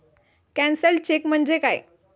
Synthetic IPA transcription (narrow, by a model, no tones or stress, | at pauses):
kæ̃nsəlt͡ɕekm̤əɳd͡ʑekaj